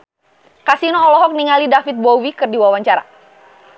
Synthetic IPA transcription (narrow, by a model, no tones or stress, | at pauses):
kasinɔːlɔɦɔk̚niŋalidafit̪̚bowikɨrdiwawaɲt͡ʃaɾa̰